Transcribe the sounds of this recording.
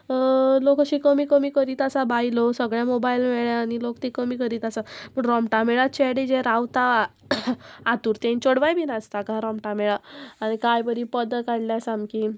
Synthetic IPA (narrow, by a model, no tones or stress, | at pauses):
lokəɕiːkəmiːkəmiːkəɾiːt̪asabajlosəɡɭjamobailmɛɭjaːɽ̃ilokt̪ekəmiːkəɾiːt̪asaməɳɾɔmʈameɭat͡ɕeɽid͡ʑeɾawt̪a | at̪uːɾt̪ẽnt͡ɕoɽʋajbʱinast̪akaãɾɔmʈamɛɭaaɽ̃ikajbəɾipəd̪əkaɽljasamki